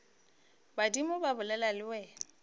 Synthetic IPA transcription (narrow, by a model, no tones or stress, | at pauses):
badimʊbabʊlɛlalɪwɛː